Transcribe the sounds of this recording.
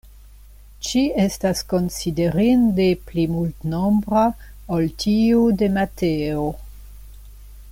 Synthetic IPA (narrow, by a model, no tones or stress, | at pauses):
t͡ʃie̞stasko̞nside̞ɾindeplimultnombɾa | oltʰiude̞mateo